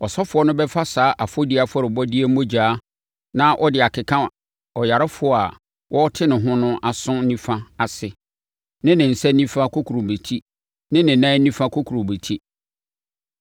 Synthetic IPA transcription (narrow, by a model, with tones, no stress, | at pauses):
ɔ˨sɔ˦fʊ˨˦ɔ˦nʊ̃˦bɛ˦fa˦saː˦ʔa˨fo˦di˦a˨fɔ˦ɾɪ˨bɔ˦di˦e˦m̩˦mõ˦d͡ʑaː˨˦ | nã˦ʔɔ˦dɪ˨a˨kʰɪ˨kʰã˦ | ɔ˨ja˨ɾɪ˦fʊ˨˦˨a˨ | wʔɔ˦ɔ˦tʰɪ˦nɪ̃˨ɦʊ̃˦nʊ̃˦ʔa˨sʊ̃˦nĩ˦fã˦a˨sɪ˨ | nɪ̃˦nɪ̃˨n̩˨sɛ˦nĩ˦fã˦kʰo˦kʰu˨ɾo˨be˨tʰi˦ | nɪ̃˦nɪ̃˨nã˦nĩ˦fã˦kʰo˦kʰu˨ɾo˨be˨tʰi˦